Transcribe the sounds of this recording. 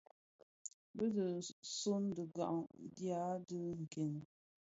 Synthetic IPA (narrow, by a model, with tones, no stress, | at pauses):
bə˦də˨so˦ndə˨ɡa̰˨ʔŋdja˦də˦ŋ̩˨ke˨n˨